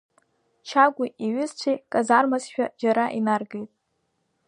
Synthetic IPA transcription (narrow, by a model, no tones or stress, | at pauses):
t͡ʃʰaɡʷuʔiɥʊzt͡ɕʷʰejkʼazarmazʃᶣad͡ʒaɾaʔinarɡejtʼ